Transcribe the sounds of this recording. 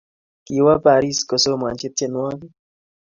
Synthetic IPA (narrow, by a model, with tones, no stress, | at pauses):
ki˨˦wa˦pa˨ɾi˦sko˨so˦m˨a˨ɲt͡ʃɪ˦t̚t͡ʃe˦nwa˦ki˦